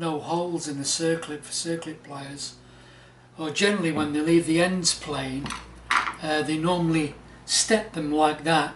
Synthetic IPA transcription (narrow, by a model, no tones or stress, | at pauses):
noʊhoʊlˠzɨ̃nðəsɜˑ˞kʰlɨtfə̥sɜˑ˞klɨt̚pʰl̥eɪəz̥ | ə˞d͡ʒɛnəɹl̩ˠiwə̃nðeɪliːvðiɛ̃ndz̥pʰl̥ẽɪ̃n | əðeɪnɔɹməl̩ˠi | stɛp̚ðə̃mlaɪk̚ðət̚